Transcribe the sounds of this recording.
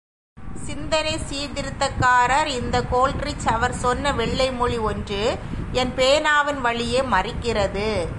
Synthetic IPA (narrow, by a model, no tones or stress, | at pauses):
sɪnd̪ɐnɐɪsiːd̪ɪɾɯt̪ːɐkːaːɾɐɾɪnd̪ɐkoːlʈrɪt͡ʃːɐʋɐɾsɔnːɐʋɛɭːɐɪmɔɻiɔndrɯɛnpeːnaːʋɪnʋɐɭɪjeːmɐrɪkːɪrɐðɯ